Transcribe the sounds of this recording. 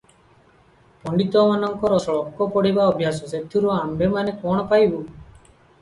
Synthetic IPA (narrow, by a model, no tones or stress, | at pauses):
pɔɳɖit̪ɔmanɔŋkɔɾɔsɔɭɔkːɔpɔɽibaɔbʱjasɔset̪ʰːuɾuambemanekɔɽ̃ɔpajbu